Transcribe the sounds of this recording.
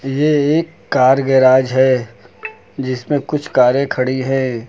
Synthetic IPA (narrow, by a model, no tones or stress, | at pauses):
jeeːkːaːɾɡɛɾaːd͡ʒɦɛː | d͡ʒɪsmẽkʊt͡ʃʰkaːɾẽkʰɐɽiɦɛ̃ː